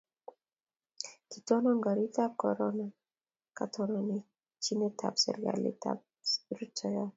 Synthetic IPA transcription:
kit̪ɔnɔŋɡaɾit̪akɔ̰ɾɔna | kat̪ʰɔnɔni | t͡ʃinet̪ʰa̰psɛ̰ɾɡa̰lḭta̰p̚ | ɾutʰɔja

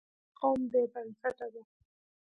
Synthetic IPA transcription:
qomd̪ebansaʈad̪a

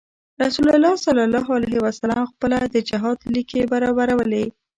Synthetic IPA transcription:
ɾasulʊlːɑsalalɑɦalaɦewasalamxpəlad̪əd͡ʒɪɦɑd̪likebaɾɑbaɾawəle

